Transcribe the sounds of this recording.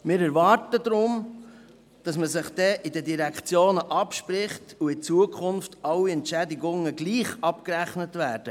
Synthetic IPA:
mɪːɾɛɾʋɑːɾtədɾʊm | d̥ɑsməsɪχd̥ɛʔidədiɾækχt͡sjoːnəʔɑpʃpɾɪχtuɪt͡suəkʰχʊnftɑlːiɛntʃɛdiɡʊŋəɡliːχɑpkɾæχnətvæːɾd̥ə

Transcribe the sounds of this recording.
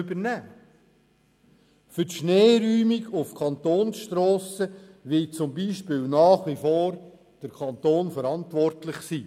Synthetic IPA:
bəɾnæː | fʏtʃneːɾyːmiɡʊfkʰɑnt̪oːnsʃtɾɔːsəʋɪt͡sʊmbiːʃpɪlnɑːχʋifoːɾ | d̥əɾkʰɑnt̪oːnfəɾɑntʋɔɾtlɪχsiː

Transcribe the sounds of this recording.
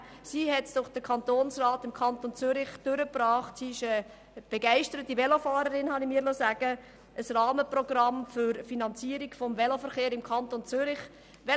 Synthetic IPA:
siːɦɛtd̥ʊχd̥əkʰɑntoːnsraːtɪmkʰɑntont͡sʏɾɪχd̥ʏɾəprɑːχtsiːɪʃə | b̥eɡæɪʃtəɾətivɛlofɑːɾəɾɪnhɑnimiːɾlosæɡ̥ə | əsrɑːməprɔɡ̥rɑmfyɾfinɑnt͡siəɾiɡfɔmvɛlofəɾχeːɾɪmkʰɑntont͡sʏɾɪχ | ʋɛ

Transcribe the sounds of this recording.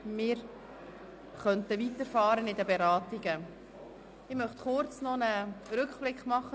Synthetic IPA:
mɪːɾ | χœntəvitəɾfɑːɾənɪdəbeɾɑːtɪɡə | ɪmœχtχʊɾt͡snɔnəɾʏkχb̥lɪkχmɑχə

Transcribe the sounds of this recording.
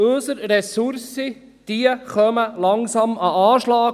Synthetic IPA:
ɵsəɾɾɛsuɾsi | d̪̥iəχœməlɑŋsɑmɑɑːʃlɑː

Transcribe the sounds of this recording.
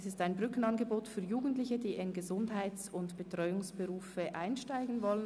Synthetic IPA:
sɪstaɪnbʁʏkn̩ɑnɡəboːtfyːɐjuːɡn̩tlɪçədiːʔɪnɡəzʊndhaɪt͡sʊntb̥ətʁ̥ɔʏʊŋsb̥əʁuːfəʔaɪnʃtaɪɡn̩vɔlən

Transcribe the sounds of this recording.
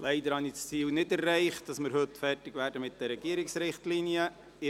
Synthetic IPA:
lɛɪdəɾhɑnist͡siːlnɪdɛrːɛɪχt̚d̥ɑsmɪɾɦɵtfɛrtɪɡʋæːɾdəmɪt̚d̥ɛɾɛɡ̥iəɾɪksɾɪχtliniə | ɪ

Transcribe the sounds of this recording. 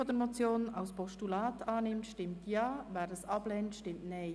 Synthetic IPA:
ɔdɛmot͡sjoːna̰ʊspɔʃtulɑːtɑːnɪmtʃtɪmtjɑːvɛːɾdəsʔɑblɛːntʃtɪmtnɛː

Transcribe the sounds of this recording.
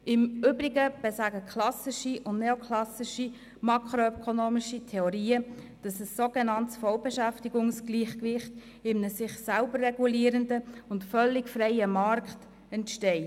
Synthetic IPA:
ɪmʏbɾiɡəb̥ɛsæɡəkʰlɑsɪʃiʔʊndnɛokʰlɑsɪʃi | mɑkχɾoœkʰonoːmiʃitʰɛoɾiːə | d̥ɑsəsːoɡɛnɑntsfɔlbɛʃæftiɡʊŋsɡliːχkʋɪχt | ɪmnəsɪχsælbərːɛɡuliːəɾəndəʊntfœlːɪɡfɾɛɪəmɑɾkχt | ɛntʃtɛɪ

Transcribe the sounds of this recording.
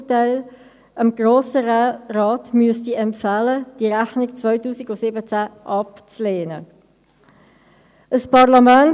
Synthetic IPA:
taɪl | ʔəmɡ̥ɾoːsəraːtmyəstiɛmpfaləd̥iəɾæχnikt͡svœʏtuːsiɡʊsɪbət͡sæʔɑpt͡sleːnə̰ | ʔəspɑʁlɑmæn

